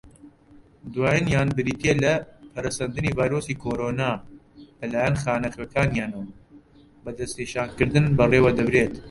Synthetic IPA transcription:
d̪waːjɨnjaːnbɨɾiːt̪elɐpʰɐɾɐsɐnd̪ɨniːvaːjɾoːsiːkʰoːɾoːnaː | bɐlaːjɛnxaːnɐχwekʰaːnjaːnɐwɐ | bɐd̪ɐsneːʃaːnkɨɾd̪ɨnbɐrewɐd̪ɐbɾeːt̪

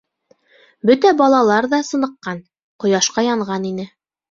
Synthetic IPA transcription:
bɵt̪æbɑlˠɑlˠɑɾðɑsɤ̆nɤ̆qːɑn | qŏjɑʃqɑjɑɴʁɑninɘ

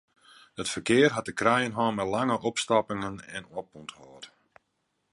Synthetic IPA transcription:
ətfərkɪːərɦat̚dəkrɛjənɦɔːnmɛtlaŋəʔɔpstapɪŋənɛ̰nop̚unthɔːt

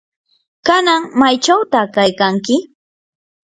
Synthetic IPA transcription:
kanaŋmajt͡ʃawt̪akajkaŋkɪ

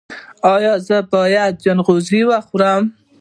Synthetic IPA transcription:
ɑjɑzəbɑjad̪̚d͡ʒanɣoziwaxuɾam

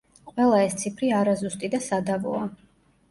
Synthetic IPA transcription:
qʼwɛlˠaɛst̪sʰipʰɾiaɾazust̪ʼid̪asad̪avɔ̰a

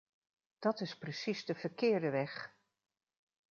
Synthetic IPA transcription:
d̥ɑtɪsprəsizdəvəɹkɪːɹdəʋɛχ

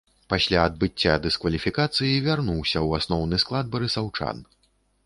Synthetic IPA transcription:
pasʲlʲaːd̪̚bɨt͡sʲːad̪ɨskvɐlʲifʲikat̪sɨjivʲarnuwsʲɐwasnɔwnɨsklˠad̪̚bɐɾɨsawt͡ʂa̰n

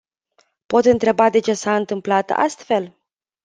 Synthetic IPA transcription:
po̞t̪ɨnt̪ɾe̞bad̪e̞t͡ʃe̞saɨnt̪ɨmplat̪a̰st̪fe̞l

